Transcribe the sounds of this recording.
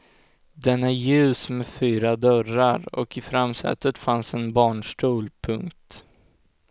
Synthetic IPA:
d̪ɛnæɾjʉ̟ːsmɛfyːɾad̪œɾaɾɔ̰kɪfɾamsɛ̰t̪ːət̪fansɛnbɑːɳʂʈuːlpʰɵŋkt̪

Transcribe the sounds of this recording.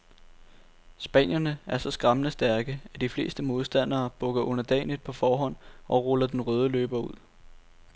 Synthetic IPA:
sb̥ɛ̰ːn̰jɐnəæɐsɒ̽sɡ̥ʁɑ̈mənəsd̥æɐɡ̥əæd̥ifle̝̰ːsd̥əmo̝ð̞ˠsd̥æn̰ɐːb̥ɔ̽ɡ̥ɐʔɔ̽n̰ɐd̥ɛ̰ːnid̥̚pʰɒ̽fɒːɦɒ̽n̰ʔɒ̽ʁɔ̽lɐd̥enʁœːð̞ˠəlø̰ːb̥ɐuð̞̰ˠ

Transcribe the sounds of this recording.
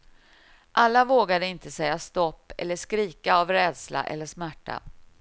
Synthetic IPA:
ʔalːavoːɡad̪əɪnt̪əsɛjːast̪ɔpːɛ̰lːəʂkɾiːkaavɾɛːd̪sla̰ʔɛ̰lːəʂmæʈːa̰

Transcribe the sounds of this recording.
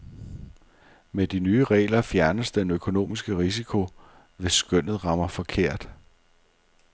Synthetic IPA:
med̥inyːəʁɛ̰ːlɐfjæɐnəsd̥enøkʰo̝no̝̰ːmisɡ̥əʁis̬ikʰo̝ | ʋe̝sːɡ̥œn̰ð̞̩ˠʁɑ̈mɐfɒ̽kʰe̝ɐ̰d̥

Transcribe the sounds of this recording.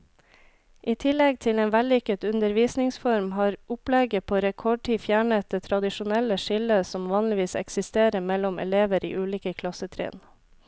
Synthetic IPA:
ʔiːt̪ʰɪlɛɡ̚t̪ʰɪleːnʋælɪkət̪ʉnd̪əɾʋiːsnɪŋsfɔɾmɦɑːɾʊplɛɡəpʰoːɾɛkʰɔɖ̚ʈʰiːfjæːɳət̪̚d̪eːt̪ʰɾɑd̪ɪʃʊnɛləʃɪləsɔmʋɑːnlɪʋiːsɛ̰ksɪst̪eːɾəmɛlʊmʔɛ̰leːʋəɾʔḭːʔʉːliːkəkʰlɑsət̪ʰɾḛːn

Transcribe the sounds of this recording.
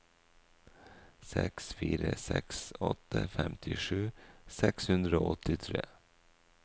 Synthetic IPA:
sɛksfiːɾəsɛksɔt̪ːəfɛmt̪ʰɪʂʉːsɛkshʉnd̪ɾəoːɔt̪ɪt̪ʰɾeː

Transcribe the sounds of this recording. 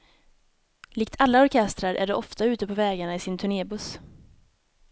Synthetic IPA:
liːk̚t̪ʰalːaɔɾkʰɛst̪ɾaɾʔæɖɛʔɔft̪aʉ̟ːt̪əpʰɔvɛːɡaɳaɪsɪnt̪ʰɵɳeːbɵs

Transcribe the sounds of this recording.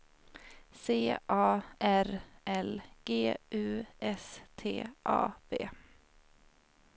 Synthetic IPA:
seːʔɑːʔæɾʔɛlɡ̥eːʔʉ̟ːɛst̪ʰḛːʔɑ̰ːb̥ḛː

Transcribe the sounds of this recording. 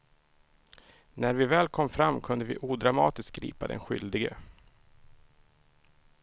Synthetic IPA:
næɾvɪvɛːlkʰɔmːfɾamːkʰɵnd̪əvɪʔuːd̪ɾamɑ̰ːt̪ɪst̚ɡɾḭːpad̪ɛ̰nɧʏ̰ld̪ɪɡə

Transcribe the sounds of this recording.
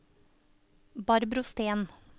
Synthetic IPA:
bɑɾbɾʊst̪eːn

